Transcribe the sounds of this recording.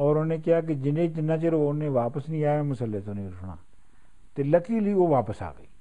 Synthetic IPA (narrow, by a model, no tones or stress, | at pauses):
ɔːɾʊnneːkɪɦaːk̬id͡ʒɪnẽt̪ɪnːãːt͡ʃəɾonẽːʋaːpəsnĩːaːẽːmʊsəlːet̪oːnẽːɾʊsɽa̰ː | t̪eːləkʰiːləiːoːʋaːpəsa̰ːɡəiː